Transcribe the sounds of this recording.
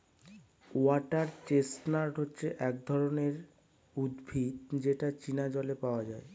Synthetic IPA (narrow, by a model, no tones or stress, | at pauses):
uaʈaɾt͡ɕesʈnaɾʈɦotːɕʰeʔɛk̚d̪ʱɔɾoneɾ | ud̪bʱit̪d͡ʑeʈat͡ɕinad͡ʑɔlepaoad͡ʑae